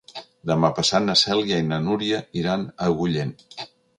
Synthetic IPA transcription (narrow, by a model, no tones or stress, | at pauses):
d̪əmapəsat̪nəsɛlˠjajnənuɾiəiɾanəɣuʎen